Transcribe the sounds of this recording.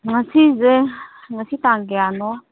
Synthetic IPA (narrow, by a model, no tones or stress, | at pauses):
ŋat͡sʰizɛ | ŋasʰit̪aŋɡɛanɔ